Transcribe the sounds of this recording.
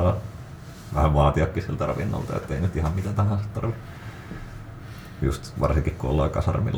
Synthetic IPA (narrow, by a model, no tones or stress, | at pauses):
ɑː | ʋæhæʋʋɑːt̪iɑkːisilt̪ærɑʋinːɑ̰lt̪ɑḛt̪ːeinyt̪ihɑmmit̪æt̪æhænsi̥t̪t̪ɑrʋi | just̪ʋɑrsiŋkikkuolːɑːkɑsɑ̰rmḭlː